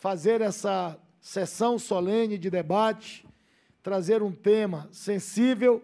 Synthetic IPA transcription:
fazeɾɛsɐ | sesɐ̃w̃sɔlẽnɪd͡ʒɪd̪ebat͡ʃɪ̥ | t̪ɾazeɾũt̪ẽmɐsẽsivew

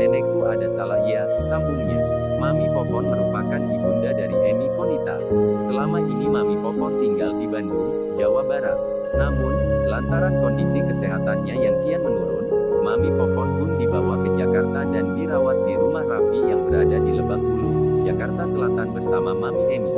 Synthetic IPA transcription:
dɛnɛk̚t̪uʔadasalahia | sambuŋɲa | mamipɔpɔməɾupakandibundadaɾiʔemipɔnit̪a̰səlamaʔinimamipɔpɔnt̪iŋɡaldibanduŋ | d͡ʒawabaɾa̰t̪̚ | namʊnlant̪aɾankɔndisikəseɦat̪anɲajaŋkijamənuɾʊnmamipɔpɔnbʊmdibawakəd͡ʒakart̪adanbiɾawat̪̚diɾumahrafijaŋbəɾadadiləbaŋ̚bulʊs | d͡ʒakart̪asəlat̪anbərsamamamiʔemi

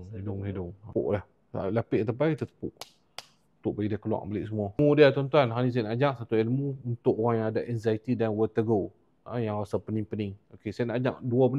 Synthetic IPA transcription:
hidʊŋɦidʊŋʊ̰ʔlah | a̰lapɪʔt̪apait̪ət̪ə̥pʊʔ | unt̪ʊʔ̚baɡidiakəlua̰ʔbəlɪʔsəmuɔmudiat̪ɔnt̪uanɦanis̬anaʔad͡ʒaʔsat̪uelmuunt̪ʊʔoɣaŋjaŋadaʔɛnzait̪idanwət̪əɡo | ajaŋrasapəniŋpənɪŋokesajanad͡ʒaʔduabəna

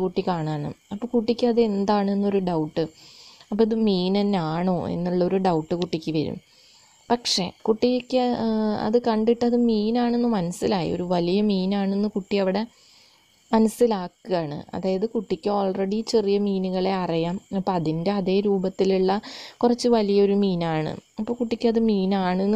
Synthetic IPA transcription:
kuʈːikaːɳaːɳɨ̰ɐpːoːkuʈːikʲːɐðe̞nd̪aːɳɨenːo̞ɾuɖɐwʈːɨɐpːoiðɨmiːnenːaːɳoːḛnːuɭːɐo̞ɾuɖɐwʈːɨkuʈːikʲːɨʋɐ̰ɾṵm | pɐkʂe̞kuʈːijekʲːɨɐ̰ðɨkɐɳɖiʈːɨɐðɨmiːnaːɳe̞nːɨmɐnɐsilaːjḭo̞̰ɾuʋɐlijɐmiːnaːɳenːɨkuʈːijɐʋiɽe̞ | mɐnɐsilaːkːɨjaːɳɨ̰ɐ̰ðaːjɐðɨkuʈːikʲːɨo̞ːlreɽit͡ɕerijɐmiːnuɣɐɭe̞ɐrijaːmɐpːoːɐðinde̞ɐðe̞ːɾuːbɐt̪ːiluɭːɐkurɐt͡ɕːɨʋɐlijɐoɾumiːnaːɳɨ̰ɐpːo̞ːkuʈːikʲːuɐðɨmiːnaːɳɨenː

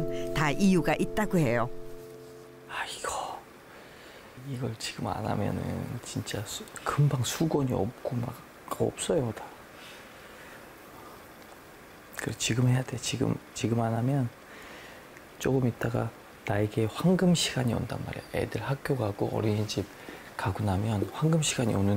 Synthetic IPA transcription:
ntaʔijuɡaʔit̚t͈aɡohe̞jo | aiɡ̥ʌ | iɡʌɭt͡ɕiɡɯma̰na̰mjʌ̰nɯ̰nt͡ɕint͡ɕ͈akɯmbaŋsʰuɡwʌɲiʌ̰p̚k͈oma̰k | ʌ̰p̚s͈ʌjooda | kɯɾeot͡ɕiɡɯmhe̞jade̞ot͡ɕiɡɯ̰mt͡ɕiɡɯmanamjʌn | t͡ɕ͈oɡɯmit̚t͈aɡa̰ | naeɡe̞ɸwaŋɡɯmɕʰiɡaɲio̰nda̰nma̰ɾejoḛdɯɭhak̚k͈ʰjoɡaɡo̰ʔʌ̰ɾinnd͡ʑip̚ | kaɡunamjʌnɸwaŋɡɯmɕʰiɡ̥aɲionɯn

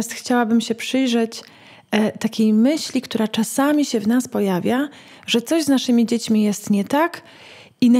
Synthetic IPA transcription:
st̪xt͡ɕawabɘmɕɛpʂɘjʐɛt͡ɕ | t̪akʲejmɘɕlʲikt̪uɾat͡ʂasamʲiɕɛvnaspɔjavʲja | ʐɛt̪sɔʑznaʂɘmʲid͡ʑet͡ɕmʲijɛst̪ɲɛt̪ak | in

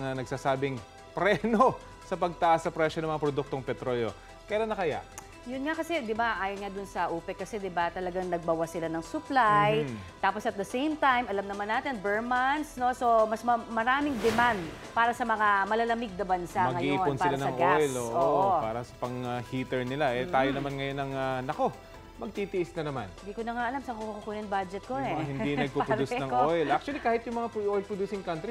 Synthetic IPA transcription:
ŋanɐɡ̚saːsaːbɪŋ | pɾɛno | sɐpɐɡ̚t̪ɐʔasːɐpɾɛʃonɐŋmɐŋapɾod̪uk̚t̪o̞ŋpɛt̪ɾo̞ːljo̞ | kɛɾɐnɐkɐja̰ʔ | jʊnŋakɐsɛd̪ɪbaʔaːjonŋad̪ʊnsɐʔuːpɛkːɐsɛd̪ɪbat̪ɐlɐɡaŋnɐɡ̚bɐwasɪlanɐŋsʊplajt̪aːposɐt̪̚d̪ɐsejmt̪ajmɐlamnɐmanːaːt̪ɛnbɛɹmansno̞so̞mɐsmɐmɐɾaːmɪŋd̪ɛmand̪̚ | paːɾɐsɐmɐŋamɐlɐlɐmɪɡ̚nɐbɐnsamɐɡŋɐjoiːonspɪɾlanɐɐŋʔɡojloːʔoːʔpaːɾɐsɐ̥pɐŋahiːt̪ɛɹnɪlaʔɛt̪aːjonɐmanŋɐjo̞nɐŋanɐko̞ | mɐɡ̚t̪iːt̪ɪʔɪsnɐnɐma̰nhɪnd̪iːkonɐŋaʔɐlamsɐŋkukukukuːnɐnbad͡ʒɛt̪̚koɛɪnd̪inɐɡ̚popɾduːsnɐŋojlʔak̚t͡ʃwɐlikaːhɪt̪jʊŋmɐŋapʔojlpɹod̪uːsɪŋkant̪ɾi

